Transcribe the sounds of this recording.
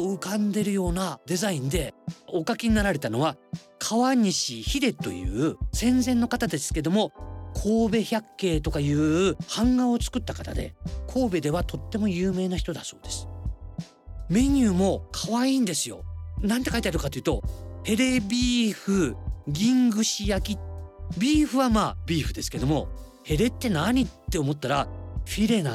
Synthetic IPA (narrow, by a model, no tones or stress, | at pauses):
ɯkãnd̪e̞ɾɯ̟jo̞ːnad̪e̞zaĩnd̪e̞o̞kakʲiɲ̟inaɾaɾe̞t̪ano̞βa | kʰaβaɲ̟iɕiçiɾe̞t̪ːo̞̰jɯ̰ːsẽ̞nd͡zẽ̞nːo̞kat̪ad̪e̞sɨ̥ke̞d̪o̞mo̞kʰoːbe̞çakːe̞ːt̪o̞kajɯ̟ːhãŋɡao̞t͡sɨ̥kɯ̟t̪ːakat̪ad̪e̞̰kʰo̞ːbe̞d̪e̞βat̪o̞t̪ːe̞mo̞jɯ̟ːme̞ːnaçi̥t̪o̞d̪aso̞ːd̪̥e̞sɨ̥ | me̞ɲ̟ʲɯːmo̞kʰaβaiːnd̪e̞sɨjo̞̰nãnt̪e̞kait̪eaɾɯkat̪o̞iɯːt̪o̞̰he̞ɾe̞bʲiːɸɯ̟ɡʲĩŋɡɯ̟ɕijakʲibʲiːɸɯ̟βamaːbʲiːɸɯ̟d̪e̞sɨ̥ke̞d̪o̞mo̞̰he̞ɾe̞t̪ːe̞naɲ̟it̪ːe̞omo̞t̪ːaɾaɸʲiɾe̞na